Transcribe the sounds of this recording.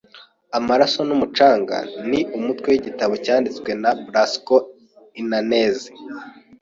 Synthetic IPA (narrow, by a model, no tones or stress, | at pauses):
amaɾaso̞numut͡ʃaːŋɡa̰niʔumutwewiɟitaβo̞caːndit͡swe̞nabɾasko | inanezi